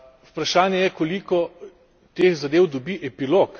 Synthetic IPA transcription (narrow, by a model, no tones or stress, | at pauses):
upɾaʃaːnjɛjɛkolikɔ | t̪eːxzad̪eːwd̪ɔbiʔɛpilok